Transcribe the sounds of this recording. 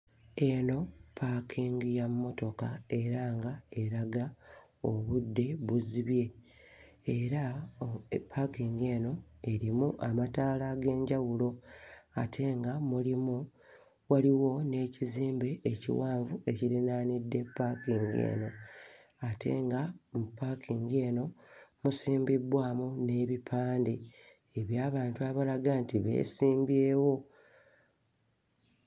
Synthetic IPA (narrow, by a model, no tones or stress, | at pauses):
e̞no̞pʰakʰiːŋɡijamːo̞to̞kae̞ɾaŋɡae̞ɾaɡa | oβudːe̞βuziβje̞ | eɾa | pʰːakiŋɡe̞ːno̞e̞ɾimuʔamataːlaɡe̞ːɲɟawulo̞atʰe̞ŋɡamulimu | waliwo̞ne̞ːciziːmbeːcḭwaːɱvue̞ciɾinaːnidːe̞pːakiŋɡe̞̰ːno̞ | atʰe̞̰ːŋɡamupːakʰiŋɡie̞ːno̞musiːmbibwaːmune̞ːβipʰaːndi | eβjaːβaːntuaβalaɡantiβe̞̰ːsiːmbje̞ːwo̞